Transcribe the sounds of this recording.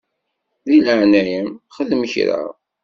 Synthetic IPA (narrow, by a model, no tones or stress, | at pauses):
ðiləʕnæjəmχəðəməçɾə̰